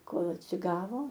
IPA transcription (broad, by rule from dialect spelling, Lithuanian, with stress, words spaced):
ˈkoːlˠ ɐtʲsʲɪˈɡɑːʋoː